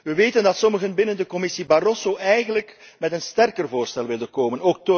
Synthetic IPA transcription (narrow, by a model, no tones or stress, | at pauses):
ʋəʋeːtəndɑtsɔməɣənbɪnəndəkɔmɪsibarɔsoʔɛjɣənlək | mɛtənstɛrkərvoːrstɛlˠʋɪlˠdənkoːmənoːk̚t